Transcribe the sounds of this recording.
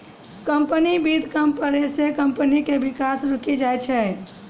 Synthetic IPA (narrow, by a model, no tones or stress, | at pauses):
kəmpənibid̪ʱkəmpəɾesekəmpənikebɪkasɾukid͡ʒajt͡ʃʰɛ